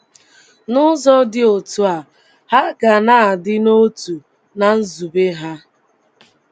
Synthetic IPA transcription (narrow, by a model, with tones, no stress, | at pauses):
nʊ˦zɔ˦dɪ˦o˨tu˨a˨ | ha˦ɡa˨na˦˨a˨dɪ˦no˦tu˨ | na˨n̩˦zu˨be˦ɦa˦